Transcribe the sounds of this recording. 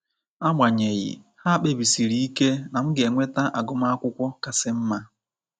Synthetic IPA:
a˦mʷa˨ɲe˨ɣɪ̰˨ha˦k͡pe˨bi˨si˨ɾi˦i˦ke˦na˨m̩˦ɡɪ˨e˨ŋʷe˦ta˦ʔa˨ɡʊ˦ma˦a˦kʷʊ˦kʷɔ˦ka˨sɪ˦m̩˦ma˦

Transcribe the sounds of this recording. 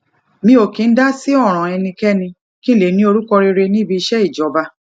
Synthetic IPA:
mĩ˧o˨kĩ˨˦n̩˦da˦si˦ɔ˦˨ɾ̃ã˨ɛ˧nĩ˧kɛ˦nĩ˧ | kĩ˦˨le˨nĩ˦o˧ɾu˦kɔ˧ɾe˧ɾe˧nĩ˦bi˧i˧ʃɛ˦i˦˨d͡ʒɔ˨˦ba˧

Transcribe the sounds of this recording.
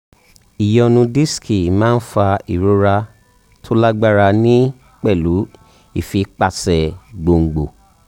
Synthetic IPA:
i˨jɔ˧nũ˧di˦skʰi˨mãː˦n̩˦fa˧i˨ɾo˨˦ɾa˧ | tʰo˦la˦ɡ͡ba˦ɾa˧nĩ˦ | k͡pɛ˦˨lu˨˦ | i˦˨fi˨˦k͡pa˧˨sɛ˨ɡ͡bo˧˨ŋ̩˨ɡ͡bo˨

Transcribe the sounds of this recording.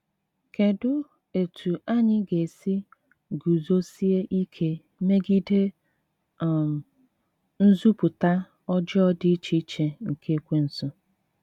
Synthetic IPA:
ke˨dʊ˦ | e˨tʰu˨a˦ɲɪ˦ɡe˨si˦ | ɡu˨zo˦si˦e˦ʔi˦kʰe˦ | me˦ɡi˦de˦˨ | n̩˦zu˦pʊ˨ta˦ | ɔ˦d͡ʒɔ˦dɪ˦t͡ʃi˦t͡ʃe˨ŋ̩˨kʰe˦kʷe˦n̩˦so˦

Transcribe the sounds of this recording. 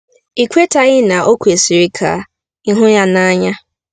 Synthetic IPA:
i˨kʷe˦ta˨ɣɪ˦na˨ʔo˦kʷu˨e˨si˨ɾi˦kʰa̰˨ | i˦ɦʊ˦ja˦na˦ɲa˦

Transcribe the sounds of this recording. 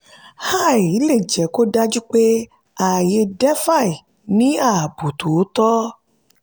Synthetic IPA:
ha˦˨ji˦le˦˨d͡ʒɛ˨ko˦ɖa˦d͡ʒu˦k͡pe˦ | a˨je˧ɖɛ˦fa˦˨i˨ | nĩ˦a˨bu˨t̪u˨wo˦t̪ɔ˦

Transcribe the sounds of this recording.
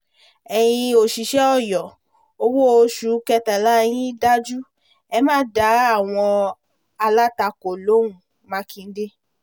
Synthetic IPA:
ɛ˨j̃ĩ˧o˨ʃi˨ʃɛ˦ɔ˦˨jɔ˨ | o˧wo˦o˧ʃu˨˦kɛ˧tɛ˨la˦˧j̃ĩ˦da˦d͡ʒu˦ | ɛ˧mãː˦da˨˦a˦˨w̃ɔ̃˧ | a˧la˦ta˧ko˨lo˨˦ũ˨ | mã˨˦kĩ˧n̩˦de˦

